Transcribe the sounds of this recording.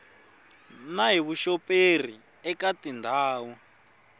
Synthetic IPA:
naɦiβuʃɔpʼer̤i | ɛkatindʱaːwu

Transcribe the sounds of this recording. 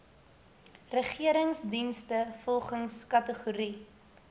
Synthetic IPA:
rəχiəɾəŋsdinstəfɔlˠχəŋskɐtəχuɾi

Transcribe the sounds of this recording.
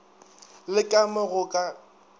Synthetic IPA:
lɪkʼamaɣʊkʼa

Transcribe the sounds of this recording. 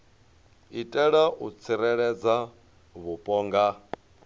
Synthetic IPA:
itʼɛɺaʔut͡sʰiɾɛɺɛd͡za | βupʼɔːŋɡa

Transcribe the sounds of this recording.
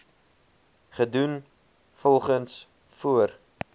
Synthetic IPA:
χədun | fɔlˠχəns | fuər

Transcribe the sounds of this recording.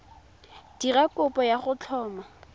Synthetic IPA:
d̥irakʊpɔjaχʊt͡ɬʰɔːma

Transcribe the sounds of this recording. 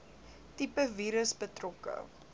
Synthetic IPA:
tipəviːɾəsbətrɔkə̰

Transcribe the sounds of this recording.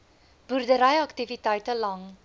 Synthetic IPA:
b̥uɾdəɾɐjaktivitajtəlaŋ

